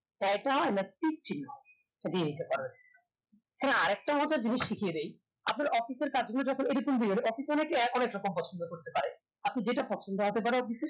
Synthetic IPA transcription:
t̪ajʈaɛnaʈik̚t͡ɕʰinːo | d̪ieɦit̪epɔɾen | kɛnaaɾɛk̚ʈaɔd͡ʑaɾd͡ʑiniʃʃikʰijed̪ej | ap̚naɾʔɔfiseɾkad͡ʑɡʱonːod͡ʑɔkʰonejɾokumd̪ieleɔfisɔnekeɔnekɾɔkompɔt͡ɕʰond̪okoɾt̪epaɾe | apnid͡ʑeʈapɔt͡ɕʰond̪oɦot̪epaɾeɔfiseɾ

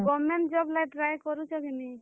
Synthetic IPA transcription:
ɡɔmenʈd͡ʒɔblajʈɾajkɔɾut͡ʃʰɔkɛni

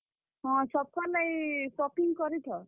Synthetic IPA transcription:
ɦɔ̃t͡ʃɔp̚kɔnajsɔpiŋɡkɔɾiʈ̪ʰɔ

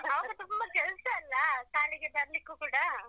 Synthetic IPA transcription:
ɐʋɐɡɐt̪umbɐkɛɭsɐɐlːɐkaːliɡebɐɾlikːukuːɽɐ

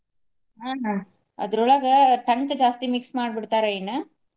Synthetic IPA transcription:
aː | ɐ̰ðɯɾʊɭɐɣɐʈɐŋkd͡ʒaːst̪imɪksmaːɽɯbɪɽɯt̪ːaːɾɐjɪnːɐ

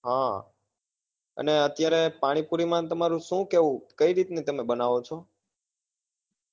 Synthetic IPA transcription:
ɦã | ə̰neət̪jaɾepaɽ̃ipuɾimãnt̪əmaɾũʃũkeʋũkəiɾit̪net̪əmebənaʋot͡ʃʰɔ

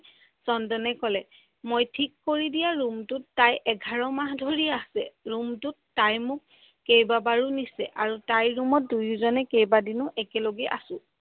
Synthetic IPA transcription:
sɔndɔnɛkɔlɛ | mojtʰikːoɹidijaɹumtʊtːajʔɛɡʱaɹɔmaɦdʱoɹiasɛ̰ɹumtʊtː | ajmʊk̚ː | ejbabaɹunisɛ̰ʔaɹutajɹumɔt̚dujzɔnɛkejbadinʊʔɛkɛloɡɛʔasʊ̃

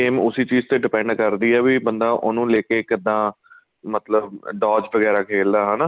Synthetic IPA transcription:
eːmʊsiːt͡ʃiːzt̪eːɖɪpɛ̃ɳɖkəɾd̪iːɛːʋiːbə̃nd̪aːʔonũːleːkeːkɪd̪ãː | mət̪ləb̚ɖaːd͡ʒʋəɡɛːɾaːkʰeːld̪aːɦɛːnaː

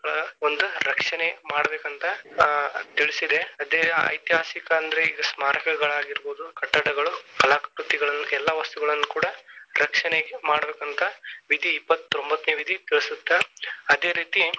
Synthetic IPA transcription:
ɐɭɐond̪uɾɐkʂɐnemaːɽɐbeːkɐnt̪ɐ | t̪iɭisid̪e̞ɐd̪eɐ̰jt̪iɦaːsikɐɐnd̪ɐɾeiɡɐsmaːɾɐkɐɡɐɭaːɡiɾboːd̪ukɐʈːɐʈɐɡɐɭukɐlaːkɐpɾut̪ːiɡɐɭɐnːuɛlːɐʋɐst̪uɡɐɭɐnːukuːɽɐɾɐkʂɐneɡemaːɽɐbeːkɐnt̪ʰɐʋid̪ʱiːpːɐt̪ːombɐt̪neːʋid̪ʱit̪iɭisut̪ːɐɐd̪e̞ːɾiːt̪i

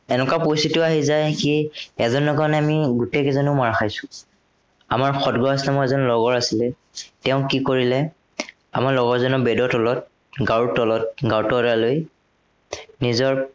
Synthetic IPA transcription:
ɛnɛkapojsitʊaɦizajkiɛzɔnːɔkanɛamiɡutejkɛzɔnomaɹaxʰajsʊ̥ | a̰maɹxɔdɡɔaslɛmɔɛzɔnlɔɡɔɹasilɛ | tɛʊ̃kikoɹilɛ | a̰maɹlɔɡɔɹzɔnɔbɛdɔtɔlɔt̚ | ɡawutɔlɔt̚ɡawtɔɾaloj | nizɔɹ

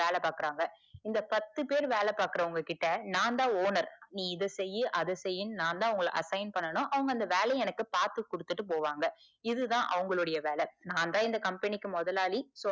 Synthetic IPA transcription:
eːlɛpaːkɪɾaːŋɡɐɪnd̪ɐpɐt̪ːɯpeːɾʋeːlɛpaːɾkɯɾɐʊŋɡɐkɪʈːɐnaːnd̪ãːoːnɐɾnĩːɪðɛsɛjːɯʔɐðɐsɛjːɯnnaːnd̪aːɐʋɐŋɡɐɭʔɐ̰sɐɪnpɐɳːɐnʊ̃ʔɐʋɐŋɡɐnd̪ɐʋeːlɛɛnɐkːɯpaːɾt̪ɯkːʊɽɯt̪ːɯʈːɯp̬oːʋaːŋɡɐ | ɪðɯðãːʔɐ̰ʋɐŋɡɐɭɯɽɐjɐʋeːlɛnaːnd̪ãːɪnd̪ɐkɐmpɛnɪkːɯmɔðɐlaːliso

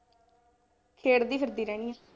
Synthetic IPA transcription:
kʰeːɽd̪iːpʰəɾd̪iːɾɛːɽ̃iːãː

